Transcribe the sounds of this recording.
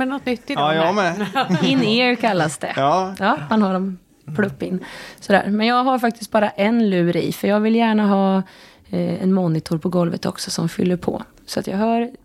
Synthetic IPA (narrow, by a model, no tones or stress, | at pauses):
ɛnɔt̪ːnʏt̪ːɪdjɛɪnːeːɾkʰalːasd̪ɛjɑːmanhaɖɔm | pʰlɵpːɪnːsɔd̪æ̰ːɾmɛnjɑːɡɦaɾfak̚t̪ɪ̥st̪̚bɑːɾaʔɛnlʉːɾḭːfœɾjɑːɡvɪlːjæːɳaɦɑː | ɛ̰nmɔnːɪt̪ʰʊɾpʰɔɡɔlvət̪ɔ̰ksɔsɔmfʏ̰lːəɾpʰɔ̰ː | sɔat̪jɑ̰ɡɦœːɾ